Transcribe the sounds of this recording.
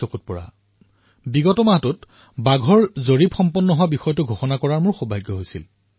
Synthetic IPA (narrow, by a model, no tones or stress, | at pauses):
ɔkut̚pɔɹa̰ | biɡɔtɔmaɦɔtʊt | baɡʱɔɹzoɹibxɔmpɔnːɔɦowabixɔjɔtʊɡʱoxɔnakɔɹaɹmʊɹxobʱajɡːɔɦojsil